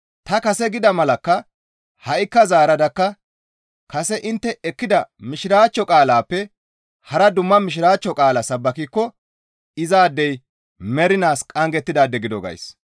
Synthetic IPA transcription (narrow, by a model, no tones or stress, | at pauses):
t̪ɐkɐsɛɡɪd̪ɐmɐlɐkːɐ | hɐʔɪkːɐzaːɾɐd̪ɐkːɐ | kɐsɛʔɪnt̪ːɛɛkːɪd̪ɐmɪʃɪɾaːt͡ʃːɔkʼaːlaːpːɛ | hɐɾɐd̪ʊmːɐmɪʃ̬ɪɾaːt͡ʃːɔkʼaːlɐsɐbːɐkikːɔ | ɪzaːd̪ːɛj | mɛɾɪnaːskʼɐŋɡɛt̪ːɪd̪aːd̪ːɛɡɪd̪ɔɡɐ̰js